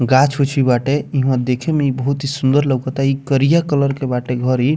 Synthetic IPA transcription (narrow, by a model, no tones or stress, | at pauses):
ɡat͡ʃʰut͡ʃʰibaʈeiɦũãd̪ekʰemeibəɦut̪ɦisund̪əɾləɡkət̪aikəɾijakələɾkebaʈeɡʱəɾi